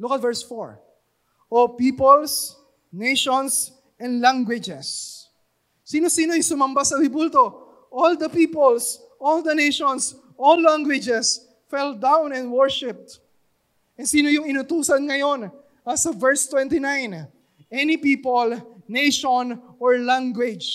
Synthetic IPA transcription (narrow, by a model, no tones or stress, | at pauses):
lʊkɐt̪vɛɹsfo̰ɹ | ʔopiːpols | nejʃons | ɛ̃nd̪lãŋɡwɪd͡ʒɛs | iːno̞siːno̞ɐjsʊmɐmbasɐɾɪbult̪o̞ | ʔold̪ɐpiːpols | ʔold̪ɐnejʃõns | ʔolːaŋɡwɪd͡ʒɛs | fɛld̪ãwnɛ̃nwɔɹʃɪp̚t̪ | ʔɛnsiːnojʊŋɪnʊt̪uːsɐnŋɐjo̞n | ɐsɐvɛɹst̪wɛ̃nt̪ɪnãjn | ʔɛnipiːpolnejʃonʔɔɹlãŋɡwɪd͡ʒ